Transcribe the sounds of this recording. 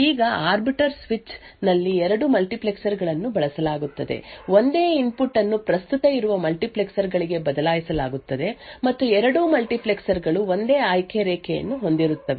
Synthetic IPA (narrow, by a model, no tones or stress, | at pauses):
iːɡɐaːɾbiʈɐɾsʋit͡ʃ | nɐlːiɛɾɐɽumɐlʈipleksɐɾɡɐɭɐnːubɐɭɐsɐlaːɡut̪ːɐd̪e̞̰ʋo̞nd̪e̞ːimpuʈːɐnːupɾɐst̪ut̪ɐiɾuʋɐmɐlʈipleksɐɾɡɐɭiɡe̞bɐd̪ɐlaːjisɐlaːɡut̪ːɐd̪e̞mɐt̪ːuɛɾɐɽumɐlʈipleksɐɾɡɐɭuo̞nd̪eːaːjkʰeɾeːkʰɛjɐ̰nːuɦo̞nd̪iɾut̪ːɐʋe